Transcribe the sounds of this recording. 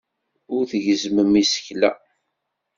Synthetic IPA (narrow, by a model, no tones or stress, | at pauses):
ʊɾθəʝzməmisə̥çlæ̰